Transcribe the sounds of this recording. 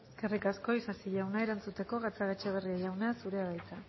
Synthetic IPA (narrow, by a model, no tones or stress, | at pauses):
eske̞rikasko̞isasiʎawnaeɾant͡sut̪e̞ko̞ɣat͡saɣet͡ʃeβ̞eriaʝawnasuɾe̞aɣajt͡sa